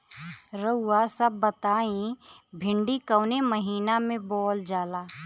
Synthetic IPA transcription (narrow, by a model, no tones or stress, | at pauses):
ɾəʊːasəbːət̪aːĩbʱɪ̃ɳɖikəːneməɦiːnamẽbɔːld͡ʒaːlaː